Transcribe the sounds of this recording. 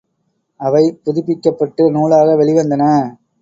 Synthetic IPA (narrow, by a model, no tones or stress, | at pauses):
ɐʋɐɪpʊðɪpːɪkːɐpːɐʈːɯnuːɭaːɣɐʋɛɭɪʋɐnd̪ɐnɐ